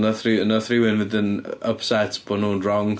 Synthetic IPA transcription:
nəθrɪnəθrɪwɪnvɪdɪnəpsɛtʰb̥ɔnuːnrɔŋ

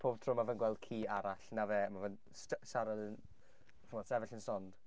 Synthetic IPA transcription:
pʰoːb̥̚tʰrʊːmavənɡwɛlˠd̥̚kʰiːaɾaɬnaveːmavən | sʃaɾalənʰ | ʊnɔdsɛvɪɬənsɔnd̥

